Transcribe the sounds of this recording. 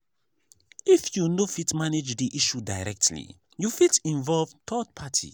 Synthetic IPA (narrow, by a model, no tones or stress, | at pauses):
ifjunofitmaned͡ʒdiʔiʃudaɪɹɛk̚tʰlḭ | jufitĩnvɔlvtʰɔtpʰatʰḭ